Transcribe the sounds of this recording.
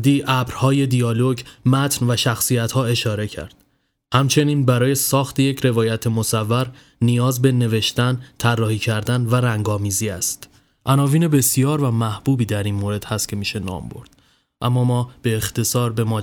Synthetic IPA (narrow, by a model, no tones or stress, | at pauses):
d̪iːʔæbɾhɒːje̞d̪ijɒːloɟmæt̪ʰnvæʃæxsijæt̪hɒːe̞ʃɒːɾe̞cʰæ̰ɾd̪̥ | hæmt͡ʃʰe̞niːnbæɾɒːje̞sɒːxt̪ʰejecʰɾe̞vɒːjæt̪ʰemo̞sævːæɾ | nijɒːzbe̞ne̞ve̞ʃt̪ænt̪ʰærːɒːhiːcʰæɾd̪ænvæɾæŋɡɒːmiːziæst̪ | ʔænɒːviːne̞be̞sijɒːɾvæmæhb̥uːbiːd̪æɾiːnmoːɾe̞d̪̥hæst̪̚cʰe̞miːʃe̞nɒ̰ːmbo̞̰ɾd̪̥ | ʔæmːɒːmɒːb̥e̞ːxt̪ʰe̞sɒːɾbe̞mɒː